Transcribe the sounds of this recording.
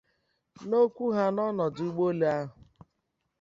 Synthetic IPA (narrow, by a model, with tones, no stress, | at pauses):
no˦kʷu˦ɦa˦nɔ˦nɔ˨di˦ɡ͡bo˦le˦a˦ɦʊ˨